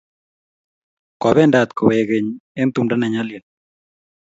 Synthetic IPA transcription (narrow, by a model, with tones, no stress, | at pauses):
kɔ˨βɛ˦˨nda˨t̪ko˨wɛ˨ɡe˨ɲe˦nt̪u˦mda˦nɛ˨ɲa˦ljɛ˨n